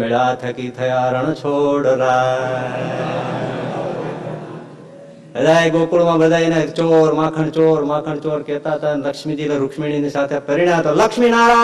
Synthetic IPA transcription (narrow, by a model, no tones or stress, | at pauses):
ɪɽaːt̪ʰɐkit̪ʰɐjaːɾɐɳ̃t͡ʃʰoːɽɾaː | bɐd̪aːiɡoːkʊɭmãːbɐd̪aːinat͡ʃoːɾmãːkʰəɳt͡ʃoːɾmãːkʰəɳt͡ʃoːɾkeːt̪at̪ɐlɐkʃmid͡ʒilɐɾʊkʃmiːɳ̃ĩnesaːt̪ʰepɐɾɪɳjãt̪olɐkʃminaːɾãː